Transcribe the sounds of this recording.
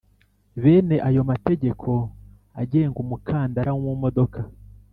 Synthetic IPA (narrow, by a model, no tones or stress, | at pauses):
βe̞ːne̞ʔajo̞mate̞ɟe̞kʰo̞ | aɟeːŋɡumukʰaːndaɾawwumo̞do̞kʰa